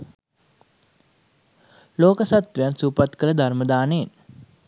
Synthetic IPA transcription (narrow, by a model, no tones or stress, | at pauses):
loːkəsat̪ʋejansuːpat̪kələd̪ʱarməd̪aːneːn